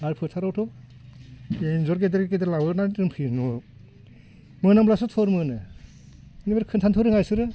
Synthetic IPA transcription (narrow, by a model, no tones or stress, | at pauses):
aɾpʰɯɾtʰaɾawtʰɔ | enzɔɾkedeɾekedeɾlawɯnatɯmpʰiɾnu | mɯnamblasɔtʰɔɾmɯnɯ | nibeɾkʰɯntʰantʰɯɾɯŋajsɯɾɯ